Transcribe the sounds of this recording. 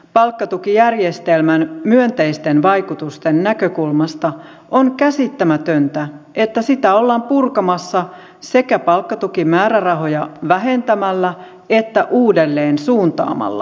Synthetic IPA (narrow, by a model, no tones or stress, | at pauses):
pɑlkːɑt̪ukijærjest̪elmænmyønt̪eist̪enʋɑjkut̪ust̪enːækøkulmɑst̪ɑ | ʔonkæsit̪ːæmæt̪ønt̪æʔe̞t̪ːæsit̪æolːɑːmpurkɑmɑsːɑ | se̞kæpɑlkːɑt̪ukimæːɾærɑɦo̞jɑʋæɦe̞nt̪æmælːæ | e̞t̪ːæʔuːdelːeːnsuːnt̪ɑ̰ːmɑ̰lːɑ̰